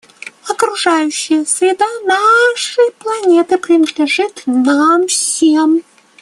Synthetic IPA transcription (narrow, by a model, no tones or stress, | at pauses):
ɐkɾuʐajʉɕːɪjəsʲɾʲɪd̪anaʂɨjplˠɐnʲet̪ɨpɾʲɪnəd̪lʲɪʐɨt̪namfsʲem